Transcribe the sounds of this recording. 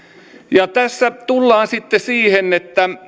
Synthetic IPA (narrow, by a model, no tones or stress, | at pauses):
jɑt̪æsːæt̪ulːɑːnsit̪ːesiːhenet̪ːæ